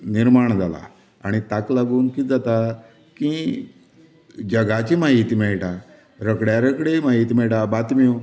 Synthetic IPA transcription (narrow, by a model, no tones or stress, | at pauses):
niɾmaɳd͡zala̰ | a̰ɽ̃it̪aklaɡuːnkid͡zat̪a | kĩ | d͡ʑəɡat͡ɕimaɦit̪imɛɭʈa | ɾəkɽjaɾəkɽemaɦit̪̬imɛɭʈabat̪miu